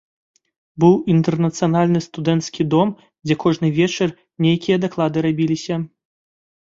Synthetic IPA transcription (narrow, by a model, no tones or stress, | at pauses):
bɨwint̪ɛrnɐt̪sɨjanalʲnɨst̪ud̪ɛnt̪skʲid̪ɔm | d͡zʲɛkɔʐnɨvʲɛt͡ʂɐr | nʲejkʲijɐd̪aklˠad̪ɨɾabʲilʲisʲɐ